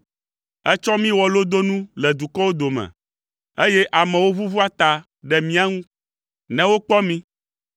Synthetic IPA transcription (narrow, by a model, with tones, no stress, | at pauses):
ɛ˦t͡ʃɔ̃˦mĩ˦wɔ˨lo˦d̪o˦nũ˦lɛ˨d̪u˨kɔ˦wo˦d̪o˨mɛ̰̃˨ | e˦jɛ˦ʔa˨mɛ̃˨wo˦vu˦vu˦a˦t̪a˨ | ɖɛ˨mĩ˦a˦ŋũ˦ | nɛ̃˨wo˦k͡pɔ˦mĩ˦